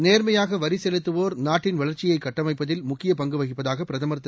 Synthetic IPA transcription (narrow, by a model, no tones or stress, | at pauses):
neːɾmɐjaːɣɐʋɐɾɪsɛlɯt̪ːɯʋoːɾnaːʈːɪnʋɐɭɐɾt͡ʃɪjɐɪkːɐʈːɐmɐɪpːɐðɪlmʊkːɪjɐpɐŋɡɯʋɐɣɪpːɐðaːɣɐpːɪɾɐðɐmɐɾt̪ːɯ